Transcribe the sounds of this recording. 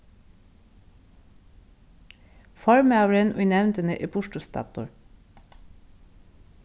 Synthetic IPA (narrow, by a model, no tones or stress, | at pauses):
fɔɹməɑːʋɾɛnʔʉ̰ːnɛʋnt̪ənəʔeːpʰʊʃʈʊst̪ɑ̰ːt̪ʊ̰ɹ